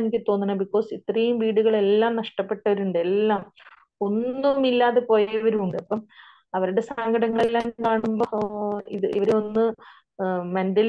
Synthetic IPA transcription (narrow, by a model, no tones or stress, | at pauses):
nikʲːɨt̪o̞ːnːinɐbikːo̞ːsit̪rɐjumʋiːɽuɣɐɭe̞lːaːmnɐʂʈɐpːe̞ʈːɐʋɐɾuɳɖe̞lːaːm | o̞nːumilːaːðepo̞ːjɐʋɐɾuuɳɖɨɐpːɐːm | ɐʋɐɾuɽe̞saːŋɡɐɽɐŋːɐɭelːaːmkaːɳumboːiðɨḭʋɐɾeo̞nːɨ | mɐndɐl